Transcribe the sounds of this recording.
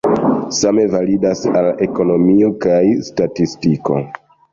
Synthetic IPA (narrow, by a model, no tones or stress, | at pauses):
same̞validasale̞ko̞no̞mio̞kajstatistiko̞̰